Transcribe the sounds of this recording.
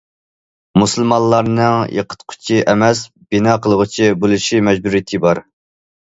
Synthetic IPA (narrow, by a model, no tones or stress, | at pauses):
musɨlˠmɑnlːˠɑɾnɨŋjḛqʰə̥t̪qʰʊ̥t͡ʃʰiʔɛmɛs | b̥inɑːqʰəlˠəʁʊt͡ʃʰibolˠuʃimɛd͡ʒbuɾijit̪ʰɨbɑɾ